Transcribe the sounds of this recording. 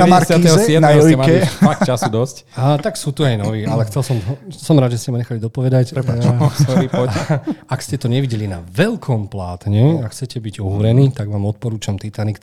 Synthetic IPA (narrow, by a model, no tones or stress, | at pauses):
amaiɛɔsjɛd̪naɛjɔjɛmaɛlfakt͡ʃasud̪ɔsc | at̪aksuːt̪uajnɔʋiːalɛxt͡sɛlsɔmsɔmɾaːd̪ʒɛscɛmaɲɛxalid̪ɔpɔʋɛd̪acɾɛsɔipɔakscɛt̪ɔɲɛʋiɟɛlinaʋɛlkʰɔmplaːt̪ɲɛakxt͡sɛcɛbiɟɔɦuɾɛniːt̪aɡmaːmɔt̪̚pɔɾuːt͡ʃamt̪it̪anik